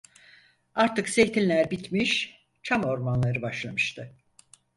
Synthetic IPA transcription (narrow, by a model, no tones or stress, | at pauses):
aɾt̪ɯksejt̪ʰinʲlʲæɾbit̪miʃ | t͡ʃʰamo̞ɾmanlˠaɾɯbaʃlˠamɯʃt̪ʰɯ